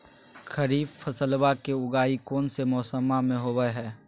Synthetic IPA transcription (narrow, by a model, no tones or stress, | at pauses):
kʰəɾiːbpʰəsəlbakeʊɡaːikɔːnsemɔːsəmamẽɦoːwəɦɛː